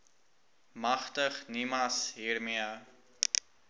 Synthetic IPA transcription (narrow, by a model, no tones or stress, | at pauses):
mɐχtəχnimɐsɦiːrmiə